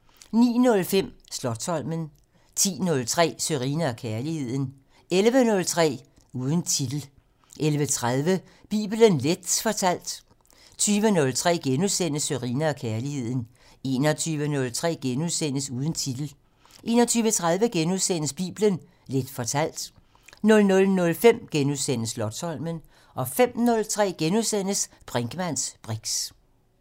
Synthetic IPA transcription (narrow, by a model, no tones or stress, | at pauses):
nḭːnɔ̽lfem̰slɒ̥̽sʰɒ̽l̰mən | t͡sʰḭːnɔ̽lt͡sʰʁɛ̰ːsøʁḭnɐɒkʰæɐlihe̝ð̞̰ˠn̩ | elʋənɔ̽lt͡sʰʁɛ̰ː | uːð̞ˠən̩t͡sʰid̥l̩ | ʔelʋət͡sʰʁað̞ˠʋə | b̥ḭːb̥lənled̥fɒ̽t͡sʰæl̰d̥ | t͡sʰyːʋənɔ̽lt͡sʰʁɛ̰ːɡ̥enuðˠsen̰əsøʁḭːnɐɒkʰæɐlihe̝ð̰ˠn̩ | e̝ːnɒt͡sʰyːʋənɔ̽lt͡sʰʁɛ̰ːɡ̥enuðˠsen̰əsuːð̞ˠn̩t͡sʰid̥l̩ | ʔe̝̰ːnɒt͡sʰyːʋət͡sʰʁaðˠʋəɡ̥enuðˠsen̰əsb̥ḭːb̥lən | led̥fɒ̽t͡sʰæl̰d̥ | nɔ̽lnɔ̽lnɔ̽lfem̰ɡ̥enuðˠsen̰əslɒ̽d̥sɒ̽l̰mən | ʔɒ̽fem̰nɔ̽lt͡sʰʁɛ̰ːɡ̥enuðˠsen̰əs | b̥ʁeŋɡ̥əmæn̰sb̥ʁiɡ̥s